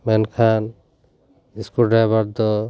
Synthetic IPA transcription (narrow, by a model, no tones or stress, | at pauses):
mɛnkʰan | iskulɖabaɾd̪ɔ